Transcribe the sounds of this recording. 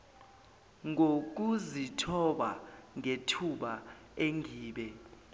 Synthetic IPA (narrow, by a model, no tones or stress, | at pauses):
ŋʱok̬uzitʰɔɓaŋetʰuɓa | eŋʱiːɓɛ